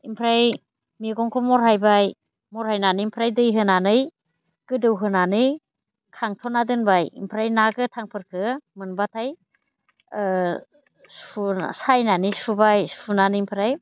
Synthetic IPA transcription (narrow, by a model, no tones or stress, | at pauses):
impʰɾaj | miɡɔŋkʰɔmɔɾɦajbaj | mɔɾhajnaniimpʰɾajdɯjɦɯnanɯj | ɡ̥ɯdɯwɦɯnanɯj | kʰaŋtʰɔnadɯnbajḭmpʰɾajnaɡɯtʰaŋpʰɯɾkʰɯmɯnbatʰaj | susajnanisubajsunanɯimpʰɾaj